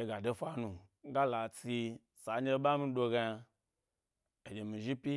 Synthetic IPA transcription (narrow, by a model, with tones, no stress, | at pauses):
e˨˧ɡa˨do˦fa˧nu˨ | ŋ˦ɡa˦la˨t͡si˧ | sa˨˦ɲe˦ɓa˦mi˦˧˦do˧ɡa˧a˧ | e˨d͡ʒʲe˨mĩ˨ʒi˦pi˦